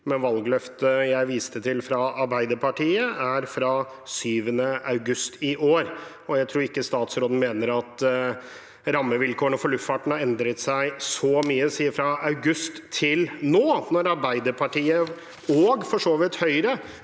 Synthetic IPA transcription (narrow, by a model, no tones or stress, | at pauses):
mɛnʋɑlɡlœft̪əjæɪʋiːst̪ət̪ʰɪlfɾɑɑɾbæɪd̪əɾpʰɑʈiːəʔæɾfɾɑ | syːʋənəʔɑʉɡʉst̪ʰɪʔoːɾ | ɔjæɪt̪ʰɾuːɾɪkːəst̪ɑːt̪sɾoːd̪n̩meːnəɾɑt̪ | ɾɑmːəʋɪlkʰoːəɳɔfɔɭʉffɑʈɳ̩hɑɾɛnd̪ɾət̪sæɪsɔmyːəsiːəfɾɑɑʉɡʉst̪ʰːɪlnoːnɔɾɑɾbæɪd̪əɾpʰɑʈiːə | ɔːɡfɔʂoːʋɪt̪hœʏɾə